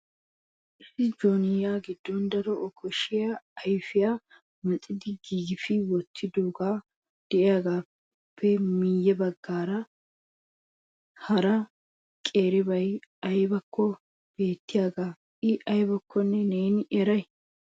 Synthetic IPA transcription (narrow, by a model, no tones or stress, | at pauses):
ʔɪsɪd͡ʒoːnɪjaːɡɪd̪ːɔnd̪ɐɾɔʔɔkʰɔʃɪjaɐjfɪjaː | mɐtʼːɪd̪ɪɡiːɡɪfɪwɔt̪ʰːɪd̪oːɡaː | d̪̥ɛʔɪjaːɡaː | pʰːɛmiːjːɛbɐɡːaːɾɐ | hɐɾɐ | kʼe̞ːɾɪbɐjɐjbɐkʰːɔ | b̥e̞ːt̪ːɪjaːɡaː | ɪʔɐjbɐkʰːɔnːɛne̞ːnɪʔɛɾɐj